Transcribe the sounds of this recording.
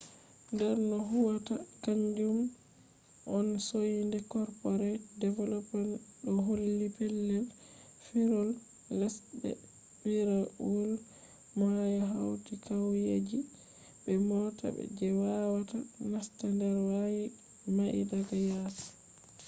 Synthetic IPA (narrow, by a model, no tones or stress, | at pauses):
ndɛɾnɔɦuwatakaɲd͡ʒum | ʔɔnsojindɛkɔɾpɔɾɛdɛvɛlɔpanɗɔɦolːipɛlːɛl | fiɾɔlː | ɛsɗɛ̰ | biɾaul | majɔɦawtikawjed͡ʒi | bɛmɔtʰa̰bɛ̰d͡ʒɛwawatanastandɛɾwaji | maʔḭdaɡajaːs